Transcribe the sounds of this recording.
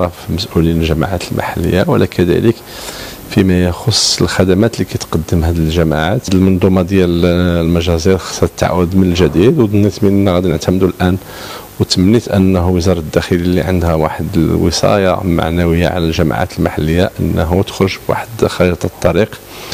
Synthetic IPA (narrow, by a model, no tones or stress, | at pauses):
ɑfməsʔulinəlʒæma̰ʕat̪əlma̰ħalːə̰jːawəlːækʰæd̪æ̰lək | fimæjxosˤːəlxæd̪æmæt̪likæt̪qɑd̪ːəmɦæd̪ilʒæmaʕat̪d̪əlmɑnd̪ˤumɑd̪jællmæʒæziɾxɑ̥sˤːɑt̪ːaʕa̰wəd̪mənəlʒæd̪id̪wd̪nːit̪miʔnːæɣæd̪inəʕt̪æmd̪ulʔæn | wət̪mənːit̪ʔənːɦuwəzɑɾˤɑt̪əd̪ːæxəlilːiʕənd̪hæwa̰ħəd̪əwə̰sˤɑ̰jɑ̰ma̰ʕnæwəjːa̰ʕa̰lælʒæma̰ʕa̰t̪əlmaħalːəjːaʔənːɦut̪ə̥xɾoʒbwa̰ħəd̪xɑɾit̪ˤɑt̪ˤːɑɾiq